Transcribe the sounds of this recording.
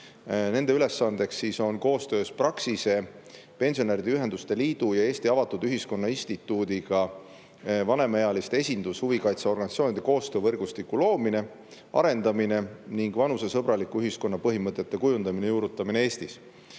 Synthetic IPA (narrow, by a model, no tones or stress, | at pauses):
ne̞nd̪e̞yle̞sːɑnd̪̥e̞ksːiso̞nko̞ːst̪ø̞ːsprɑksise̞ | pe̞nʲsio̞neɾid̪̥eyɦe̞nd̪ust̪e̞liːd̪̥ujɑe̞ːst̪iɑvɑt̪ːˑud̪yɦisko̞nːɑinʲst̪it̪ːˑuːd̪iɡ̥ɑ | vɑne̞mɑejɑlist̪eesʲind̪ushuvikɑjt̪sɑo̞rɡɑnʲit̪sioːnid̪̥e̞ko̞ːst̪øːvɤrɡust̪ikːulo̞ːmine̞ | ɑ̰ɾe̞nd̪̥ɑmine̞niŋɡvɑnuse̞sɤ̞bɾɑlikːuyɦisko̞nːɑpɤɦimɤt̪ˑːe̞t̪ːe̞kujund̪̥ɑmine̞juːɾut̪ːˑɑminee̞ːst̪is